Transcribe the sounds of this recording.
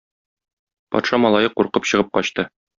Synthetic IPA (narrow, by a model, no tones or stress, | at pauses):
pɒ̰t̪ʃɑmɒlˠɑjɤquɾqɤpɕɤ̆ʁɤp̚qɒɕt̪ɤ